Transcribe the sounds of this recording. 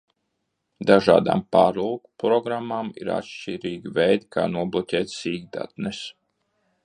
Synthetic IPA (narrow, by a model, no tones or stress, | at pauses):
d̪aʒa̰ːd̪a̰ːmpaːɾulkpɾɔɡɾamːamḭɾa̰tʃt͡ʃiɾiːɡvɛjd̪kʰa̰ːnuɔblˠɔcʲɛːt̪siːɡ̚d̪a̰t̪nɛs